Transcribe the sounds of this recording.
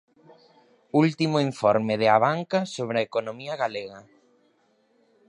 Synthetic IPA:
ult̪imʊiɱfɔɾmɪðɪaβaŋkasoβ̞ɾeɐekonomiɐɣaleɣɐ

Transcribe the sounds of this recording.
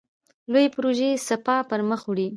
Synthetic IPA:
lojepɾoʒesapɑpəɾməxwɽi

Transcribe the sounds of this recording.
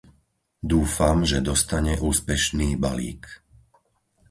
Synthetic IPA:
d̪uːfamʒɛd̪ɔst̪aɲɛʔuːspɛʃniːba̰lḭːk

